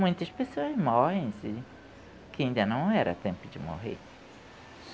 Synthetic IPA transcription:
mũj̃t̪ɐspesoɐzmɔhẽj̃sɪ | kɪĩnd̪ɐnɐ̃w̃ɛɾɐ̰t̪ẽmpʊd͡ʒɪmo̰ɦḛɾ

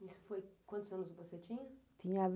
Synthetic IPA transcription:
isʊ̥fojkwɐ̃nt̪ʊzɐ̃nʊskvoset͡ʃ̪ĩɲɐt̪ʰĩɲɐav

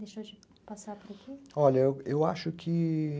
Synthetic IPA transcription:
d̪eʃod͡ʒɪ | pasapʊɾakiɔʎɐeewa̰ʃʊkʰɪ

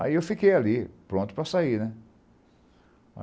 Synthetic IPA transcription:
a̰iewfikejalipɾõnt̪ʊ̥pɾɐsainɛ | a̰

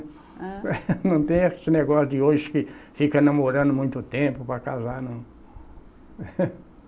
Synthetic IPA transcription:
nɐ̃w̃t̪ẽj̃esɪneɡɔsʊd̪ɪoʒɪkɪfikɐnɐmoɾɐ̃nd̪ʊmũj̃t̪ʊt̪ẽmpʊpɾɐkazaɾnɐ̃w̃

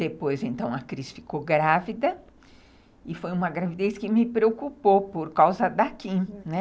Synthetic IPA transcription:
d̪epojzẽnt̪ɐ̃w̃ɐkɾisfi̥koɡɾavid̪ɐ | ɪfojũmɐɡɾavid̪ejskɪmɪpɾeokupopoɾkawzɐd̪akĩnɛ

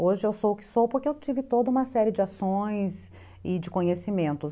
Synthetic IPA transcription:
oʒɪewsowʊkɪ̥sopoɾkɪeewt͡ʃivɪt̪od̪ɐũmɐsɛɾɪd͡ʒɪasõj̃s | ɪd͡ʒɪkõɲesimẽnt̪ʊs

